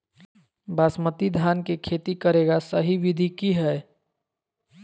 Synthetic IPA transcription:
basmət̪id̪ʱankekʰet̪ikəɾeɡasəɦiʋid̪ʱikiɦɛe

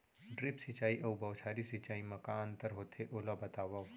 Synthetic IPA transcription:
ɖɾɪpsɪt͡ʃaːiʔɐwbɐwt͡ʃʰaːɾisit͡ʃaːimɐkaːnt̪ɐɾɦoːt̪ʰeʔoːlabɐt̪aːʋɐ

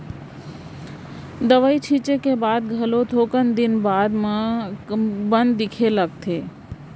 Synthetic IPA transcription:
d̪əʋəit͡ʃʰit͡ʃekebaːd̪̚ɡʱɐlot̪ʰoːkənd̪ɪnbaːd̪mã | bə̃nd̪ːɪkʰeləɡ̚t̪ʰeː

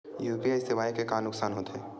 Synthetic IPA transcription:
juːpiaɪsɪʋaːikekaːnʊksaːnɦoːt̪eɦɛː

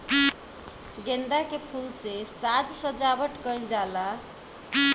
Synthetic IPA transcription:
ɡend̪akepʰulsesad͡ʒsə̃d͡ʒabəʈkəjld͡ʒala

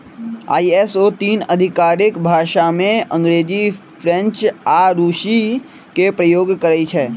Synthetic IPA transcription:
a̰ːiɛsot̪iːnəd̪ʱɪkaːɾɪkbʱaːʃamẽɐ̃ŋɡɾeːd͡ʒi | fʰɾɛ̃nt͡ʃaːɾuːʃi | kepɾəjoːɡkəɾəit͡ʃʰɛː

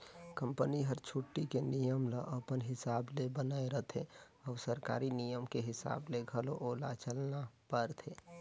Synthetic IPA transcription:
kə̃mpəniɦəɾt͡ʃʰuʈːikenijəmləʔəpənɦɪsaːblebənaːeɾət̪ʰe | ɔːsəɾka̰ːɾinijəmkeɦɪsa̰ːbleɡʱəloʔoːlat͡ʃəlnapəɾt̪ʰeː

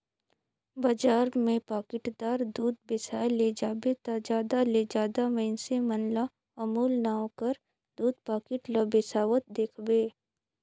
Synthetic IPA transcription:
bɐd͡ʒaːɾmẽpaːkɪʈd̪aːɾd̪uːd̪̚bɪsaːled͡ʒaːbet̪ad͡ʒaːd̪aled͡ʒaːd̪amɛ̃ɪnsemɐnla | ɐmuːlnaːkəɾ | d̪uːd̪̚paːkɪʈlɐbesaːʋət̪̚d̪eːkʰbeː

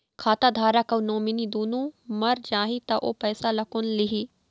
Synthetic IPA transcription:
kʰaːt̪aːd̪ʱaːɾaːkɐunoːminiːd̪uːnũːmɐɾd͡ʒaːɦit̪aʔo̰ːpɛːsalɐkʊnlɪɦiː

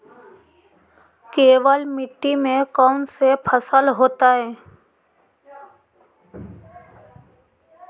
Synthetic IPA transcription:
keːʋəlmɪʈːimẽkɔːnsepʰəsəlɦoːt̪aɦɛː

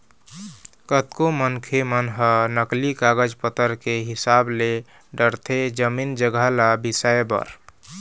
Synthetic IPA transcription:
kət̪komənkʰemənɦənəklikaɡəd͡ʒpət̪əɾkeɦisable | ɖəɾt̪ʰed͡ʒəmind͡ʒəɡalabisəjbə̰ɾ

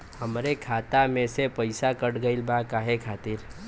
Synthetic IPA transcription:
həmɾekʰaːt̪amẽsepəɪsakəʈɡəɪlbakaɦekʰaːt̪iɾ

